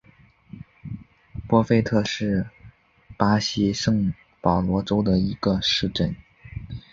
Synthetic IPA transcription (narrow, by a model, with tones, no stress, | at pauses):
pwɔ˥fe˥˧ɪt̪ʰɤ˥˧ʂɻ̩˥˩ | pa˥ɕi˥ʂɤ˥˩ŋ | pɑ˨˩ʊlwɔ˧˥ʈ͡ʂo˥ʊd̪ə˨i˧˥ɡ̥ə˧ʂɻ̩˥˧ʈ͡ʂə˥˩n